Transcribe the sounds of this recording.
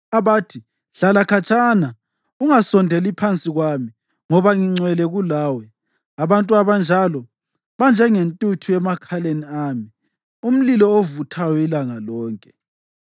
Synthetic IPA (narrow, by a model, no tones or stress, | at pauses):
aβaːtʰi | ɬalakʰat͡ʃʼana | uŋasɔndʱelipʰant͡sʼiɣwami | ŋɔβaŋiŋ͡ǀwɛlɛɣulaːwɛ | aβantʼuaβand͡ʒʱalɔ | βand͡ʒʱɛŋentʼutʰuɛmakʰaleniaːmi | um̩lilɔovutʰajɔilaŋalɔːŋkʼɛ̥